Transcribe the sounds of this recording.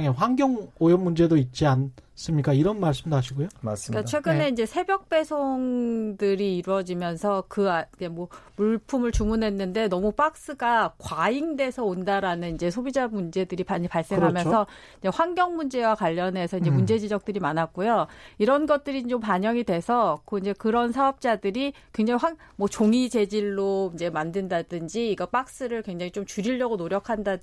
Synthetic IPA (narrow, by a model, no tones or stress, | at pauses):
ŋeɸwaŋɡʲjʌŋojʌnmund͡ʑe̞doit̚t͡ɕ͈ians͈ɯmɲik͈aiɾʌnmaɭs̬͈ɯmdoɦaɕʰiɡojoaskat͡ɕʰwe̞ɡɯne̞ind͡ʑe̞sʰe̞bjʌk̚p͈e̞sʰoŋdɯɾiːɾwʌd͡ʑimjʌnsʰʌkɯid͡ʑe̞mwʌmuɭpʰumɯɭt͡ɕumunɦe̞nːɯnde̞nʌmup͈ak̚s͈ɯɡakwaiŋde̞sʰʌondaɾanɯnind͡ʑe̞sʰobid͡ʑamund͡ʑe̞dɯɾippaɭs͈e̞ŋɦamjnsʰʌ | iɲd͡ʑe̞ɸwaŋɡjʌŋmund͡ʑe̞wakwaʎːʌne̞sʰʌind͡ʑe̞mund͡ʑe̞d͡ʑid͡ʑʌk̚t͈ɯɾimanak̚k͈ojoiɾʌnɡʌt̚t͈ɯɾit͡ɕompaɲʌŋidwe̞sʰʌkoind͡ʑe̞kɯɾʌnsʰaʌp̚t͡ɕ͈adɯɾikkweŋd͡ʑaŋiɸwaŋmʌt͡ɕoŋid͡ʑe̞d͡ʑiɭːoind͡ʑe̞mandɯndadɯnd͡ʑiːɡʌp͈ak̚s͈ɯɾɯɭkwe̞ŋd͡ʑaŋit͡ɕomt͡ɕuɾiɭːʌɡonoɾjʌkʰandad